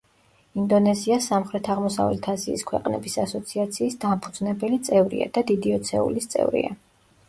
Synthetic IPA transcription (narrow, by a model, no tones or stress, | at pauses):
ind̪ɔnɛziasamχɾɛt̪ʰaʁmɔsavlɛt̪ʰaziːskʰwɛ̰qʼnɛ̰bisasɔt̪sʰiat̪sʰiːsd̪ampʰud̪znɛbɛlit̪sʼɛvɾḭa̰d̪̥ad̪id̪iɔt̪sʰɛ̰ṵlist̪sʼɛ̰vɾḭa̰